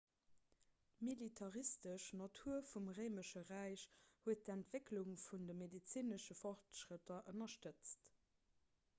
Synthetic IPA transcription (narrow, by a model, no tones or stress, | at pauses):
militʰɑʁistəʃnɑtʰuːɐfumʁəɪməʃəʁæɪɕhuət̚dæntv̥ekluŋfundəmedit͡siːnəʃəfɔχtʃʁətɐʔənɐʃtət͡st